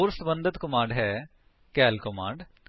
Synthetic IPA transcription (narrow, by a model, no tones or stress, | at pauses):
oɾsbə̃nd̪ət̪kʊmãːɳɖɦɛː | kɛːlkɔmãːɳɖ